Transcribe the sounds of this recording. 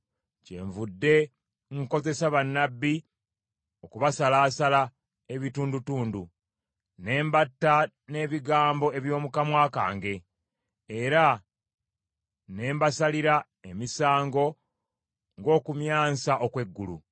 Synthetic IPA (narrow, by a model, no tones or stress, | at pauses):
ce̞̰ɱvudːe̞ | ŋko̞ze̞saβanːabːi | o̞kuβasalaːsala | e̞βituːndutuːndu | ne̞ːmbatːa | ne̞ːβiɡaːmbo̞e̞βjo̞ːmukamwaːka̰ːŋɡe̞ː | ɾa | ne̞ːmbasaliɾa | emisaːŋɡo̞ | ŋɡo̞ːkumjaːsaʔokwe̞ɡːulṵ